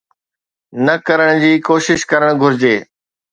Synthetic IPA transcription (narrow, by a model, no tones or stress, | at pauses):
nɐkɐɾəɽ̃d͡ʑiːkoːʃɪʃkɐɾəɽ̃ɡʱʊɾɪd͡ʑeː